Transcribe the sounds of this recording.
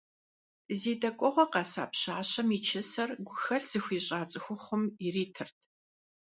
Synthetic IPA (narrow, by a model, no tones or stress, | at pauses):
zeːdɐkʷʼɔʁʷɔqɑːsa̰ːpɕaːɕɐmit͡ʃʰɪsɐrɡʷʊxɐɬz̥ɨxʷiːɕʼaːt͡sʼɨxʷʊχʷʊmiriːtʰɨrtʰ